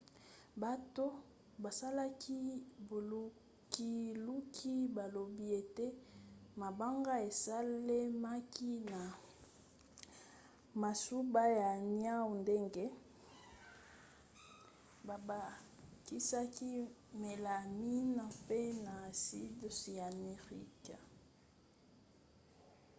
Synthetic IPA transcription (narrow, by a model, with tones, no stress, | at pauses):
ba˨to˦ | ba˨sa˦la˦kʰi˦bo˨lu˦ | ki˦lu˦kʰi˦ba˨lo˨bi˦e˨te˦ma˨ba˦ŋɡa˦e˨sa˦le˦ma˦ki˦na˨ | ma˨su˦ba˦ja˨ni˦a˦u˨nde˦ŋɡe˦ | ba˨ba˨ | ki˦sa˦ki˦me˨la˨mi˦na˨pe˦na˨si˦dsi˨a˨me˨ʁḭ˦ka˨